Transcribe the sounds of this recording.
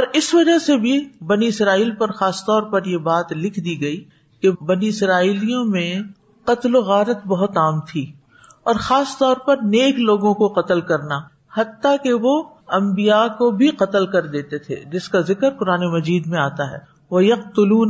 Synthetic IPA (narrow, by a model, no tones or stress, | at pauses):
ɔːɾɪsʋɐd͡ʒəɦsebʱibɐniɪsɾaːiːlpɐɾxaːst̪ɔːɾpɐɾjebaːt̪lɪkʰd̪iːɡɐi | kebɐniɪsɾaːiːlijõmẽ | qɐt̪loɣaːɾət̪bɐɦʊt̪aːmt̪ʰiː | ɔːɾxaːst̪ɔːɾpɐɾneːkloːɡõkoqɐt̪əlkɐɾna | hɐt̪ːakeʋo | ɐ̃mbijakobʱiqɐt̪əlkɐɾd̪eːt̪et̪ʰḛd͡ʒɪskazɪkəɾqʊɾaːnemɐd͡ʒiːd̪mẽaːt̪aɦɛ̰ː | ʋɐjɐqt̪ʊluːn